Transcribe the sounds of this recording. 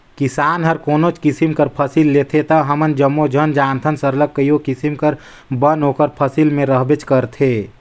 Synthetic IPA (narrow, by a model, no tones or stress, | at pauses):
kɪsaːnɦəɾkoːnot͡ʃkisimkəɾpʰəsilːet̪ʰet̪əɦɐmənd͡ʒəmːod͡ʒʱənd͡ʒaːnt̪ʰənsəɾləkːəjokɪsimkəɾ | bənɦoːkəɾpʰəsilmẽɾəɦbet͡ʃkəɾt̪ʰeː